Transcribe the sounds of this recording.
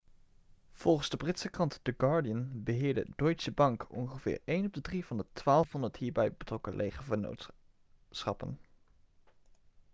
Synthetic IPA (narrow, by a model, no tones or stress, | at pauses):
v̥ɔlˠχənzdəbrɪtsəkrɑntd̥əɡɑɹdiənbəɦɪːɹdə̰dɔɥtsəbɑŋkɔ̰nχəvɪ̰ːɹejnɔb̚dədrivɑndətʋaːlˠfɑnətɦiːɹbɛjbətrɔkə̰lʔejχəvəno̰wt | sχɑ̰pə̰n